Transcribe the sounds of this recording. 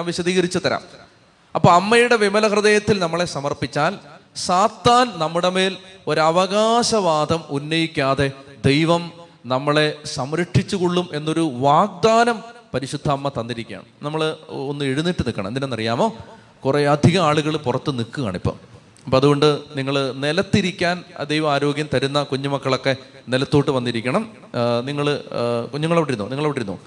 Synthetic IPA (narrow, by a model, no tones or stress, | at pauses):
amʋiɕɐd̪iːɣɐɾit͡ɕːut̪ɐɾa̰ːm | ɐpːoːɐmːɐjuɽe̞ʋimɐlɐkrɐðejɐt̪ːilnɐmːɐɭe̞sɐmɐrpit͡ɕːaːlsaːt̪ːaːnnɐmːuɽeme̞ːlo̞ɾuɐʋɐɣaːɕɐʋaːd̪ʱɐmunːɐjikʲːaːðe̞d̪e̞jʋɐmnɐmːɐɭe̞sɐmɾɐʈʰːit͡ɕːuɣoɭːume̞nːo̞ɾuʋaːɡ̚d̪aːnɐmpɐɾiɕud̪ʱːaːmːɐt̪ɐnd̪iɾikʲːa̰ːɳnɐmːɐɭonːɨeɻunːiʈːɨnikːɐɳɐmnd̪inenɐrijaːmo̞ː | kureɐd̪ʱiɣɐaːɭuɣɐɭpurɐt̪ːɨnikːuɣa̰ːɳipːo̰ː | ɐpːoɐðuɣo̞ɳɖɨniŋːɐɭnelɐt̪ːiɾikʲːaːnd̪ejʋɐmaːɾo̞ːɡjɐmt̪ɐɾunːɐkuɲːumɐkːɐɭo̞kːe̞ | nelɐt̪ːoːʈːɨʋɐnːiɾikʲːɐɳɐm | niŋːɐɭkuɲːuŋːɐɭoʋiʈːiɾunːo̰ːniŋːɐɭoʋiʈːiɾunːo̰ː